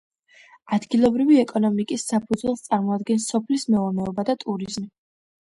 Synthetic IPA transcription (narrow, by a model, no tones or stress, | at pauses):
ad̪ɡilˠɔbɾiviɛkʼɔnɔmikʼisːapʰud̪zwlɛlˠst̪sʼaɾmɔad̪̚ɡɛnsɔpʰlismɛɔnɛɔbad̪at̪ʼuɾizm